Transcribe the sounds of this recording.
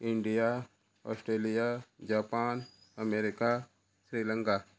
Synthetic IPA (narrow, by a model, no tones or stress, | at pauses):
ɪ̃ɳɖija | ɔ̰ːsʈɾeːlijad͡ʒaːpaːn | əmeːɾɪka | sɾiːlə̃ŋkaː